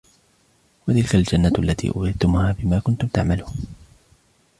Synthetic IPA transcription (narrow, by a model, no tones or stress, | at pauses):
wat̪ɪlkald͡ʒanːat̪ʔalːat̪ʰḭːʔʊ̰ːɪd̪t̪ʊmʊhaːbɪmaːkʊnt̪ʊmt̪aʕmaluːn